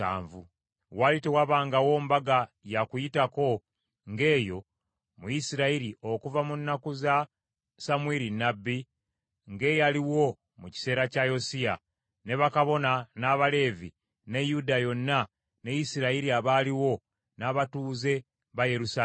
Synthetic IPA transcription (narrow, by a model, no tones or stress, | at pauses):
a̰ːɱvṵ | walitewaβaːŋɡawo̞ːmbaɡa | jakujitako̞ | ŋɡe̞ːjo̞ | mujisiɾaiɾio̞kuvamunːakuza | samweɾinːabːi | ŋɡe̞jaliwo̞ | muci̥se̞ːɾacajo̞sija | ne̞βakaβo̞nanaβale̞ːvi | ne̞judajo̞nːa | ne̞jisiɾaiɾiaβaːliwo̞ | naβatuːze̞ | βajeɾusa